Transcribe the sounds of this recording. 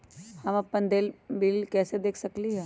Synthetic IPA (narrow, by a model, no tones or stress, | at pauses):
hɐmɐpːənd̪eːlbiːlkɛːsed̪eːkʰsɐkliɦɛː